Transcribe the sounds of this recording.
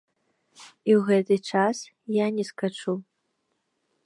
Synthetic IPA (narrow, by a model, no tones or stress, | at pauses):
iwɣɛt̪ɨt͡ʂas | janʲɛskat͡ʂu